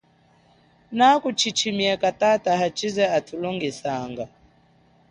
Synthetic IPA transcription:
nakut͡ʃit͡ʃʰimiɛkatataɦat͡ʃizɛatʰulɔŋɡisaŋɡa

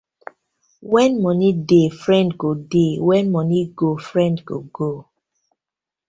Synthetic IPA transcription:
wɛ̃nmɔnidefɹɛ̃ndɡodewɛ̃nmɔniɡofɹɛ̃ndɡo̰ɡo

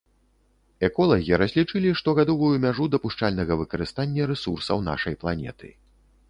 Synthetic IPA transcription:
ɛkɔlˠɐɣʲiɾɐzʲlʲit͡ʂɨlʲiʂt̪ɔɣad̪ɔvujumʲaʐud̪ɐpuʂt͡ʂalʲnɐɣɐvɨkɐɾɨst̪anʲːɐɾɛsursɐ̰wna̰ʂɐjplˠanʲɛ̰t̪ɨ̰

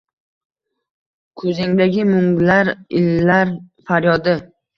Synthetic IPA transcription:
kʰɵzɪŋd̪aɡʲɪmʊŋɡlaɾɪlːaɾfaɾjɒd̪ɪ

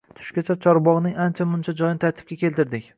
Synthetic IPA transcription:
t̪ʰʊ̥ʃkʲat͡ʃʰat͡ʃʰɒɾbɒʁnɪŋant͡ʃʰamʊnt͡ʃʰad͡ʒɒjɪnɪt̪ʰaɾt̪ʰɪb̥̚kʲakʲʰe̞lt̪ɪɾd̪ɪkʲ

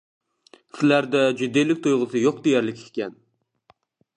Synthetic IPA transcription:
sɪlæɾd̪ɛd͡ʒyd̪ejlɪk̚ʲt̪ʰujʁɨsɨjoq̚d̪ejæɾlɪkʲʰkʰʲkʲɛn

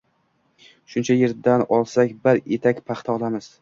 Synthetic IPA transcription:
ʃʊnt͡ʃʰajeɾd̪anɒlˠsakʲbɪɾet̪ʰakʲpʰaχt̪ʰaɒlˠamɪz̥

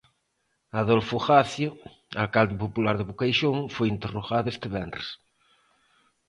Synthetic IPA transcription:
aðolfoxaθjʊ | alkald̪ɪpopulaɾðɪβukajʃoŋfojint̪eroɣaðest̪ɪβɛnrḛs

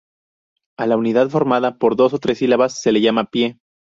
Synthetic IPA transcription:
alauniðaðfo̞ɾmaðapo̞ɾðo̞so̞t̪ɾe̞silaβasːe̞le̞ʝamapje̞

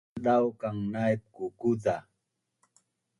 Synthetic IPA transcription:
ɗawkaŋnajp̚kukuda

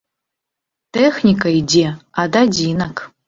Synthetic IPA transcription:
texnʲikʼaidʲeadad͡zʲinakʰʼ

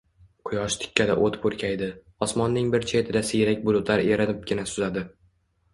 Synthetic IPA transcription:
qʰʊjɒʃt̪ʰɪ̥kʲʰːad̪aʔot̪poɾkʲʰajd̪ɪ | ɒsmɒnːɪŋbɪɾt͡ʃʰe̞t̪ʰɪd̪asɪjɾakʲbʊlˠʊt̪laɾeɾanɪp̚ɡʲɪnasʊzad̪ɪ

